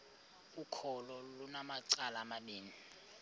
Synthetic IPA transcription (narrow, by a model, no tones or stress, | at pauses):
ukʰɔlɔlunamaǀalaːmaɓiːni